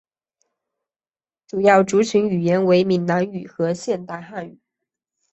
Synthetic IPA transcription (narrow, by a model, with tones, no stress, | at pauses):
ʈ͡ʂu˨˩jɑ˥˩ʊʈ͡ʂu˧˥t͡ɕʰy˧˥ny˨˩jɛ˧˥nwe˧˥ɪmi˧˥nna˧˥ny˨˩xɤ˧˥ɕjɛ˥˧nt̪a˥˧ɪxa˥˩ny̰˨˦˩